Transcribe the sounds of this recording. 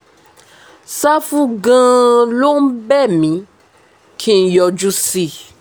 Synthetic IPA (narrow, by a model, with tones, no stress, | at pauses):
sa˦fũ˧ɡã˦lo˦n̩˦bɛ˦˨mĩ˨˦ | kʰĩ˧˨n̩˨jɔ˨˧d͡ʒu˧si˦˨